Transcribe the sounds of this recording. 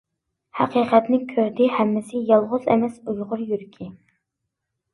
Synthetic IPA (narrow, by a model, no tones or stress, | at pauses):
hæ̰qʰiqʰɛt̪nɪkʲʰøɾd̪ɪhɛmːɪsɪjɑlˠʁʊzɛ̰mɛsujʁʊɾjyɾkʲʰi